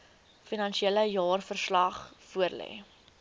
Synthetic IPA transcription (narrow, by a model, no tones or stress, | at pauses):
finɐnʃieləjɑːrfərslɐχfuərlɛ̰ː